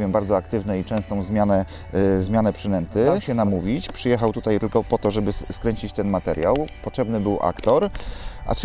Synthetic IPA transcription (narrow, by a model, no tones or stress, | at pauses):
jɛmbaɾd̪zɔakt̪ɘvnɛit͡ʂɛ̃st̪ɔ̃w̃zmʲjanɛ | zmʲjanɛpʂɘnɛnt̪ɘɕɛnamuvʲit͡ɕpʂɘjɛxawt̪ut̪ajt̪ɘlkɔpɔt̪ɔʐɛbɘskɾɛɲt͡ɕit͡ɕt̪ɛnmat̪ɛɾja̰wpɔtʂɛbnɘbɘwʔa̰kt̪ɔɾʔa̰t͡ʂ